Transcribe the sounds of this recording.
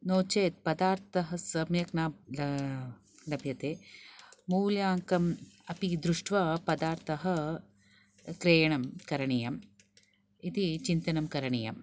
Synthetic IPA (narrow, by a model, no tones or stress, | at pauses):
noːt͡ʃeːt̪̚pɐd̪aːɾt̪ʰɐɦɐ̆sɐmjɐknaːɐ | lɐbʱjɐt̪eː | muːljaːŋkɐmɐpid̪ɾuʂʈʋɐpɐd̪aːɾt̪ʰɐɦɐ̆ | kɾeːjɐɳɐmkɐɾɐɳijɐm | it̪it͡ʃint̪ɐnɐmkɐɾɐɳijɐ̰m